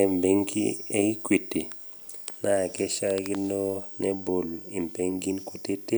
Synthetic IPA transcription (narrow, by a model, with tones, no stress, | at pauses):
ɛ˨mbe˦ŋkḭ˦e˦i˦kwi˨ti˨ | na˦˨kɛ˦ʃa˦kɪ˦no˦nɛ˦bo˨li˨mpe˦ŋɡi˦nko˨te˦te˦